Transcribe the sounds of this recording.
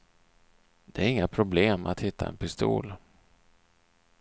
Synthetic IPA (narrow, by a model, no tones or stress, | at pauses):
d̪̥ɛæɾɪŋːapʰɾʊbleːma̰t̪hɪt̪ʰːa̰ɛ̰npɪst̪ṵːl